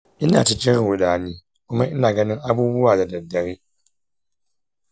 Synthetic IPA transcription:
ʔɪ˦na̰ː˨tɪ˦kʲɪ˦n˨ʊ˨daː˨niː˦ | kʷʊ˦ma˦ʔɪ˦naː˨ɡɐ˦nɪ˦ŋʔa˦buː˦bʊ˦waː˨da˨dɐ˨dːɐ˨ɾiː˦

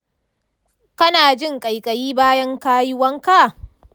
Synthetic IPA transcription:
kɐ˦naː˨d͡ʒɪ˦˨ŋkʼa˨jkʼɐ˨jiː˦baː˦jɐ˦ŋkaː˦jɪ˦wɐ˦ŋka˦˨

